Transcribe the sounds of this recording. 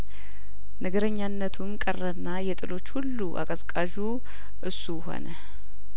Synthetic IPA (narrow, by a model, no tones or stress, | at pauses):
nəɡəɾəɲːanːət̪ʰumkʼərːənːajɛt̪ʼɨlo̞t͡ʃːhulːuʔa̰kʼəskʼaʒu | ʔɨsːuho̞̰nə